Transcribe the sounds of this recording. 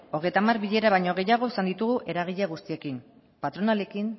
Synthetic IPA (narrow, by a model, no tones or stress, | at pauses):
o̞ɣ̞e̞jt̪amarβiʎe̞ɾaβajɲo̞ɣe̞jaɣ̞o̞esand̪it̪uɣuʔe̞ɾaɣ̞iʎaɣ̞ust̪ie̞kin | pat̪ɾo̞nale̞kin